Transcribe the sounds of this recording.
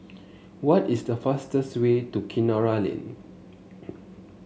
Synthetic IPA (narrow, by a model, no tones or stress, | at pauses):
wɔtisdəfastəstwetukʰĩnaɹalḭ̃n